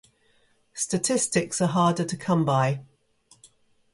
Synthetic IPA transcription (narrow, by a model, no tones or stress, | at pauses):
stətʰɪstɪksəɦɑːdətʰəkʰʌ̃mbaɪ